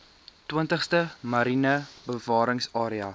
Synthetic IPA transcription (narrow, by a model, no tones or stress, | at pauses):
twiəntəχstəmɐɾinəbəvɑːɾəŋsɑːɾiɐ